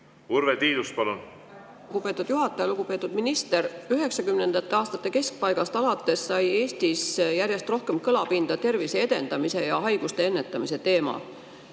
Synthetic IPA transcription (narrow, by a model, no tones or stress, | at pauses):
uɾvet̪iːd̪uspɑlun | ɡ̥upe̞ːt̪ːˑud̪̥juɦɑt̪ːˑɑjɑluɡ̥upe̞ːt̪ːˑud̪̥minist̪e̞ɾyɦe̞ksɑkymne̞nd̪ɑt̪ːˑeɑːst̪ɑt̪ːˑe̞ke̞sk̚pɑjɡ̥ɑst̪ɑlɑt̪ːˑe̞sːɑje̞ːst̪isjæɾjest̪ro̞hke̞mkɤlɑpind̪̥ɑt̪e̞rvisee̞d̪̥e̞nd̪̥ɑmise̞jɑɦɑjɡ̥ust̪e̞e̞nːe̞t̪ːˑɑmise̞t̪e̞ːmɑ̰